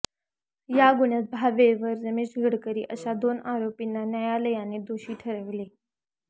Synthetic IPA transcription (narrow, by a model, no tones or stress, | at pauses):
jaɡuɳjat̪̚bʱaʋeʋəɾɾəmet͡ɕɡʱəɽkəɾiːʔəɕad̪onaɾopinːanjəjaləjaned̪oɕiːʈʰəɾəʋle